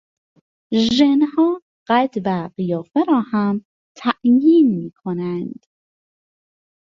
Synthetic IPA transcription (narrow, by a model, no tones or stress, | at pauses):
ʒenhɒː | ɢæt̪væɢijɒːfeɾɒːhæm | t̪ʰæʔjiːnmiːkʰonænd̪̥